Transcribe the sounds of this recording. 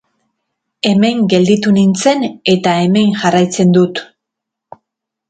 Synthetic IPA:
e̞me̞ŋɡe̞ld̪it̪unint͡se̞ne̞t̪ae̞me̞ŋʝarajt͡se̞nd̪ut̪

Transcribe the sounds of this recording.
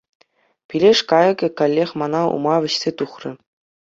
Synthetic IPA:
pʲilʲeʂkɑjɤ̆kʲɘ̆kalʲːeχʲmɑnɑṵmɑʋʲɘ̆ɕsʲet̪uχrʲɘ̆

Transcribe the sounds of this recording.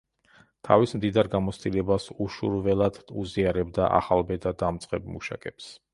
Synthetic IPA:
t̪ʰavismd̪id̪aɾɡamɔt̪sʰt̪ʼilɛbasuʃuɾvɛlˠad̪̥uziaɾɛbd̪aʔa̰χalˠbɛd̪ad̪amt̪sʼqʼɛbmṵʃa̰kʼɛps

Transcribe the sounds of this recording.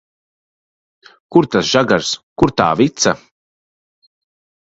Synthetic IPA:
kuɾt̪asʒ̥aɡaɾskuɾt̪a̰ːvit̪sa

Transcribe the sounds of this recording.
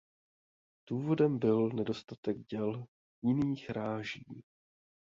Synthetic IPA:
d̥uːvo̞dɛmbɪlnɛdo̞st̪at̪ɛɡɟɛl | jɪniːxɾaːʒiː

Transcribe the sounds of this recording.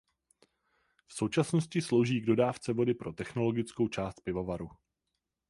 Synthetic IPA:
fso̞wt͡ʃasnoscɪslo̞wʒiːɡdo̞daːft͡sɛvo̞dɪpɾo̞t̪ɛxno̞lo̞ɡɪt͡sko̞wt͡ʃaːst̪̚pɪvo̞vaɾu

